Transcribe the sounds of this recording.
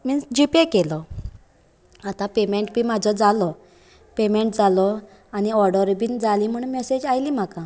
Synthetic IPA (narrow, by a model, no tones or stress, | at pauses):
mid͡ʑipekelɔ | at̪ãpemeɳʈbiːmad͡zʱɔd͡zalɔ | pemeɳʈd͡zalɔ | añiɔɾɖəɾbiːnd͡zaliːm̤əɳmɛsed͡ʑajliːm̤akã